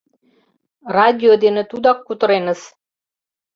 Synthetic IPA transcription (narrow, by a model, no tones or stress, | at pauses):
rɑdʲiod̪enĕt̪ud̪ɑkːut̪ɤ̆ɾenə̆s